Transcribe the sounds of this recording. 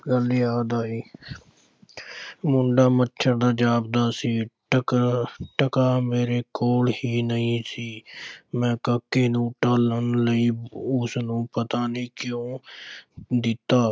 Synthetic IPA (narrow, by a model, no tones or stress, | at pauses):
ɡəliːaːd̪aːiː | mʊɳɖaːmətːʃʰəɾd̪aːd͡ʒaːb̚d̪aːsiːʈəʈəkaːmeːɾeːkoːlhiːnəĩːsiːmɛ̃ːkəkːeːnũːʈələnləiːʊsnũːpət̪aːnĩːkjõː | d̪ɪt̪ːaː